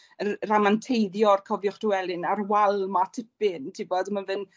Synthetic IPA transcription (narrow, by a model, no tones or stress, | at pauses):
əramantʰejðjɔrkʰɔvjʊχd̥ʊwɛlɪnarwalˠmatʰɪpɪntʰibɔdmanvɨn